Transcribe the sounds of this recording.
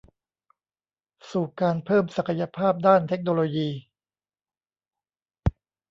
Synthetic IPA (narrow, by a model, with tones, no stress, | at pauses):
suː˨˩kaː˧npʰɤː˥˩msa˨˩kʰa˧ja˧pʰaː˥˩p̚daː˥˩nt̪ʰe˦˥k̚noː˧loː˧jiː˧